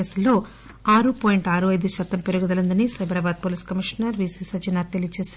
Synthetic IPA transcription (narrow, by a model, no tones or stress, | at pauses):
eːsulːo̞ː | aːɾupoːjiɳʈaːɾuɐjd̪uʃɐt̪ːɐmpeɾuɡud̪ɐlɐnd̪ɐnisɐjbɾɐbaːd̪̚poːliːskɐmiʂɐnɐɾʋiːsiːsɐd͡ʒɐnat̪elijt͡ʃeːs